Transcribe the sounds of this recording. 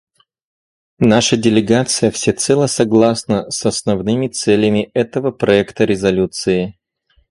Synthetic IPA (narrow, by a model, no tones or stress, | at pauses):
naʂədʲɪlʲɪɡat̪sɨjəfsʲɪt̪sɛlˠəsɐɡlˠasnəsɐsnɐvnɨmʲɪt̪sɛlʲɪmʲɪɛt̪əvəpɾɐɛkt̪əɾʲɪzɐlʲut̪sɨɪ